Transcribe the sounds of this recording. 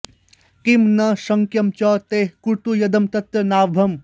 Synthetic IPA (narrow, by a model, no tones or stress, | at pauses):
kimnɐsɐŋkjɐmt͡ʃɔːt̪eːɦkut̪ujɐd̪ɐmt̪ɐt̪ɾɐnaːbʱɐm